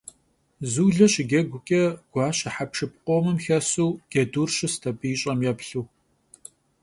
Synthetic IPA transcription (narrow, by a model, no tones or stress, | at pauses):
zuːɮɐɕɪɡʲɐɡʷʊkʲʼɐɡ̥ʷɑːɕɐħapʂɨpʼqʷʼomɨmxɐsuːɡ̥ʲɐduːrɕɪstʰɐbʼijɕʼɐmjɛpɬuː